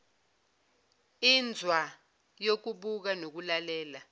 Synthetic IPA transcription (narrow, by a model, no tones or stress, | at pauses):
ind͡zʱwa | jok̬uɓuk̬anok̬ulalɛːla